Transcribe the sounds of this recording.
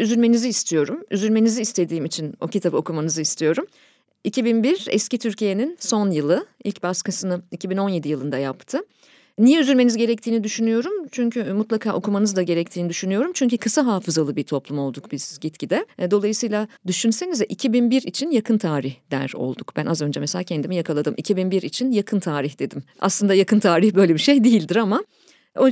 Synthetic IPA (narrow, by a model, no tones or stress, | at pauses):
yzynme̞niziːst̪ʰijo̞ɾumy̰zynme̞niziːst̪ʰe̞d̪iːmit͡ʃʰinocit̪ʰabɯo̞kʰumanɯzɯist̪ʰijo̞ɾum | icʰibinbiɾɛ̰scit̪ʰyɾcije̞ninso̞njɯlˠɯḭlʲcbaskasɯnɯicʰibino̞nje̞d̪ijɯlˠɯnd̪ajapt̪ʰɯ | nijɛyzynme̞nizɟe̞ɾɛc̚t̪ʰiːnid̪yʃynyjo̞ɾumt͡ʃʰyɲcʰymut̪lˠakʰaːʔo̞kʰumanɯzd̪aɟe̞ɾɛc̚t̪ʰiːnid̪yʃynyjo̞ɾumt͡ʃʰyɲcʰykʰɯsaɦaːfɯzalˠɯbiɾt̪ʰo̞plˠumo̞lˠd̪ukbizsizɟit̪cʰid̪ɛd̪o̞lˠajɯsɯjlʲˠad̪yʃynse̞nizvɛʔicʰibinbiɾit͡ʃʰinjakʰɯnt̪ʰaːɾiçd̪æ̰ɾo̞̰lˠd̪ukb̥ænazø̞nd͡ʒɛmeselʲaːcʰɛnd̪imijakʰalˠad̪ɯmʔicʰibinbiɾit͡ʃʰinjakʰɯnt̪ʰaːɾiçd̪e̞d̪im | a̰slˠɯnd̪ajakʰɯnt̪ʰaːɾiçbø̞jlʲebiʃe̞jd̪ijilʲd̪iɾama | o